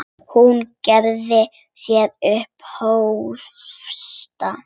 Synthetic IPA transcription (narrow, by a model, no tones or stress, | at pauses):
huncɛɾðɪ | sjɛðʏhphow | fst̪a